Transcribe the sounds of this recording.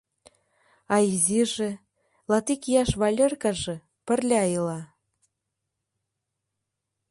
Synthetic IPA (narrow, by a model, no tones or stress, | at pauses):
ɑiziʒĕ | lɑt̪ikjɑʃβɑlʲĕrkɑʒĕ | pɘ̆rlʲɑjilɑ